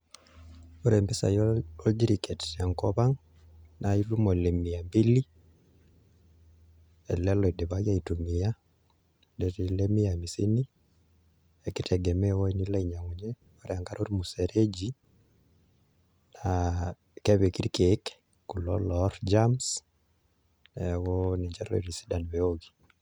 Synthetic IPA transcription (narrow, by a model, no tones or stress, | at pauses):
oɾembesa̰jɔod͡ʒiɾiketaŋkoβaŋ | naiɾumolemijambili | ɛlɛlɔideβajaitumija | detilemijamisini | ɛkitʰɛɡɛmɛwɔinilɛɲaŋuɲɛ | oɾaŋɡaɾʔoɾimusɛɾed͡ʒi | na | kɛβekiɾikek | kulɔlɔɾd͡ʒams | nɛwɔnɛɲd͡ʒɛlɔ̰iɾisidanβeoki̥